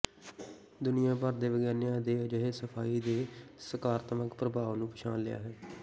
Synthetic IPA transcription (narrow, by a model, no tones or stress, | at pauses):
d̪ʊnɪjãːpəɾd̪eːʋəɡɛːnjãːd̪eːəd͡ʒəɦesəpʰaːiːd̪eːsəkaːɾt̪əməkpɾəbaːʋnũːpʰɪʃʰãːnlɪja̰ːɦɛː